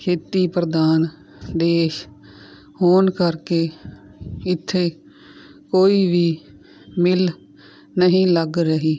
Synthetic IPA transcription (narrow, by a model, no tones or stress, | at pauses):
kʰeːt̪iːpɾəd̪aːn | d̪eːʃ | hoːnkəɾkeː | ɪt̪ʰːeː | koːiːʋiː | mɪl | nəɦĩːləɡɾəɦiː